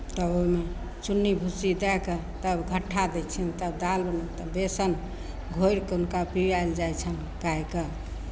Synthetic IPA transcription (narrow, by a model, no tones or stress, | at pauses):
t̪əome | t͡ʃunːibʱusid̪ɛke | t̪əbɡʱəʈʰːad̪ɛt͡ʃʰɛnt̪əbd̪albənat̪əbesən | ɡʱojɾkeunkapiɾajld͡ʒajt͡ʃʰən | kaike